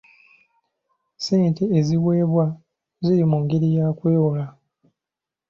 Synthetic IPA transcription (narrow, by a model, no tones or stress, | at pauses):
seːntʰeːziwe̞ːβwa | ziɾimuŋɡeɾijaːkujoːla